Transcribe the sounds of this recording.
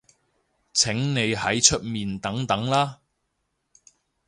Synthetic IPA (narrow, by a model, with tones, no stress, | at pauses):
t͡sʰɪ˨˥ŋne˨˧jhɐ˨˥jt͡ʃʰɵ˥t̚miː˨nt̪ɐ˨˥ŋt̪ɐ˨˥ŋlaː˥